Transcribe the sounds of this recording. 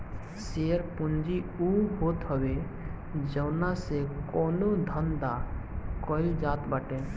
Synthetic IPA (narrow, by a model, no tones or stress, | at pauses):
seəɾpʊnd͡ʒiuɦoːt̪ɦəwe | d͡ʒəʊnasekɔːnod̪ʱənd̪akɔɪld͡ʒaːt̪baːʈẽ